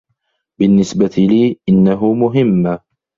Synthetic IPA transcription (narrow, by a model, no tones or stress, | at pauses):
bɪnːɪsbat̪ɪliːʔɪnːaɦʊmʊɦɪmː